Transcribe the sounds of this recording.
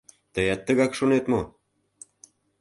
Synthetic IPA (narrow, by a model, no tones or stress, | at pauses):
t̪əjɑt̪ːə̆ɣɑkʃonet̪mo